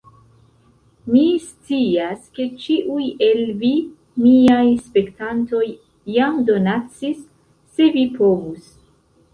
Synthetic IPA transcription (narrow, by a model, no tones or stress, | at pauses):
mist͡siaske̞t͡ʃiʔuje̞lvi | miajspe̞ktanto̞jː | amdo̞nat͡sisː | e̞vipʰo̞vus